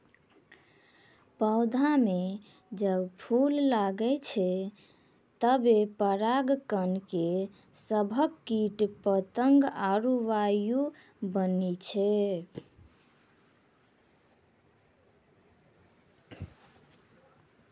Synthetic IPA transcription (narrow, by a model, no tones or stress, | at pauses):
pəʊd̪ʱame | d͡ʒəbpʰulːaɡɛt͡ʃʰɛ | t̪əbepəɾaɡkənke | səbʱəkːiʈpət̪əŋɡaɾuʋaju | bənet͡ʃʰɛ